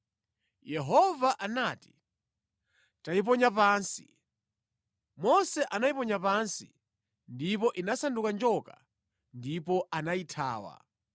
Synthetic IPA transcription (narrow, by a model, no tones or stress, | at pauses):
jɛɦɔvaʔanaːti̥ | taip̬ɔɲapaːnsi̥ | mɔsɛʔanaipɔɲapansḭ | ndipɔʔinasandukand͡ʒɔka | ndipɔʔanaitʰa̰ːwa̰